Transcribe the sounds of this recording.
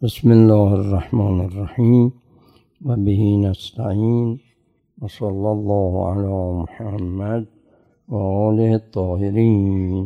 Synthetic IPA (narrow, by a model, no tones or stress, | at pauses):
bɪsmɪlːaːharˤːɑħmɑːnɪrˤːɑħiːm | wabɪhiːnast̪aʕiːn | wɑsˤɑlːalˤːɑːhʕa̰laːmʊħamːad̪̚ | waʔɑːlɪht̪ʰˤːɑːhɪɾiːn